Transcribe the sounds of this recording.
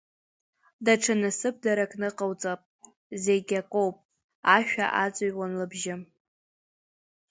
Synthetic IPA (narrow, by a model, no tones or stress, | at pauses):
daʈ͡ʂʰanɨsɨp̚ʰdaɾakʼnɨqʼawt͡sʼapʼ | zeɡʲakʼowpʼ | aʃᶣa̰ʔat͡sʼaɥwanlɨbʒɪ